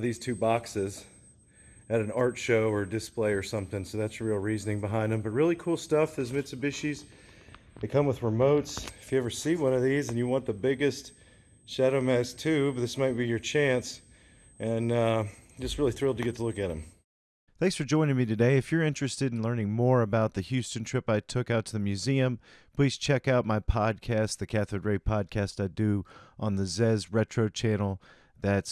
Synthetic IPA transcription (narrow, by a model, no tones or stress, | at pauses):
ðiz̥tʰʉbɑksɪz | ɨɾn̩ɑɹtʃoʊə˞dɨspleɪə˞sʌ̃mθɪ̃ŋsoʊðætsɹilˠɹiznɪ̃ŋbəɦãɪ̃ndɨ̃mbʌt̚ɹɪlˠikʰulˠstʌfðɨzmɪsɨbɪʃiz̥ | ðɨɪkʰʌ̃mwəðɹəmoʊtsɨ̥fjɨɛvə˞siwʌ̃nʌvðizɨ̃njɨwɑ̃nðəbɪɡɨst | ʃæɾomɛstʰʉbʌt̪̚ðɪsmaɪt̚b̥ijə˞t͡ʃʰæ̃ns | ʔɨ̃nʌd͡ʒʌst̚ɹɪlˠiθɹɪlˠtɨɡɛtʰəlʊkɨɾ̚ɨ̰̃m | θæ̃ŋksfə˞d͡ʒɔ̃ɪ̃ñɪ̃ŋmiɾɨdeɪɨfjə˞ɪ̃nt͡ʃɹ̥ɨstɨɾn̩lɜ̃˞nɪ̃ŋmɔɹɨbaʊt̪̚ðɨhjʉstɨ̃ntʰɹ̥ɪpaɪtʰʊkaʊtʰɨðɨmjʉziɨ̃m | pʰl̥iz̥t͡ʃʰɛkaʊt̚maɪpʰɑd̚kʰæst̪̚ðɨkʰæθɨdɹeɪpʰɑd̚kʰæstaɪdɨʔə̃nðɨzɛzɹɛt͡ʃɹ̥oʊt͡ʃʰæ̃nl̩ˠ | ðɨts